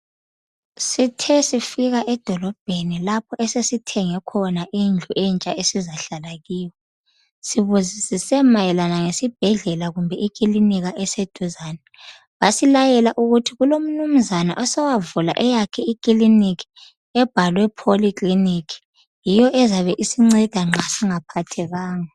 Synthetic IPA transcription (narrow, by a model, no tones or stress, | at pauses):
sitʰɛsifiɣaʔɛd̥ʱɔlɔb̥̚ʱenilapʰɔʔɛsesitʰɛŋɛkʰɔnaʔind͡ɮʱuʔɛnt͡ʃʼaʔesizaɬalaɣiːwɛ | siβuzisisɛmajɛlanaŋesib̥ʱɛɮɛlaɣumbʱɛʔik̬ʼiliniɣaʔɛsed̥ʱuzaːnɛ | βasilajɛlaʔuɣutʰiɣulom̩num̩zana̰ʔɔsɛwavula̰ʔɛjakʰɛikʼilinikʰi̥ | ɛb̥ʱalwɛpʰolikʼlinikʰi̥ | jijɔʔɛzaβɛʔisiŋ͡ǀɛd̥ʱaŋ͡ǁʱasiŋapʰatʰɛɣaːŋa